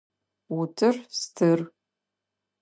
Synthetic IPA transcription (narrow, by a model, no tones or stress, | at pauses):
utʰɨrstʰɨr